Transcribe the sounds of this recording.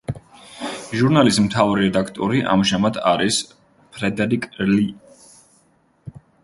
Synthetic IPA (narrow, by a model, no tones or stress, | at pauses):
ʒuɾnalismt̪ʰavɾiɾɛd̪akʰt̪ʼɔɾiʔa̰mʒamad̪ʰaɾis | pʰɾɛd̪ɛɾikʼli